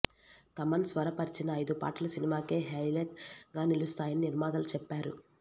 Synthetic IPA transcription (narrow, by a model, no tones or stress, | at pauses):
t̪ɐmɐnsʋɐɾɐpɐɾit͡ʃinɐɐjd̪upa̰ːʈɐlɐsinimaːkeːɦɐjleʈɡaːnilust̪aːjɐniniɾmaːd̪ɐlt͡ʃɛpːaːɾṵ